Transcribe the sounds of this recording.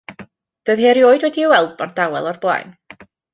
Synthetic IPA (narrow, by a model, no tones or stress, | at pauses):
d̥oɨðɦeːɾjoːɨdwɛdiəwɛlˠd̚b̥ɔrd̥awɛ̰lˠɔrblˠa̰jn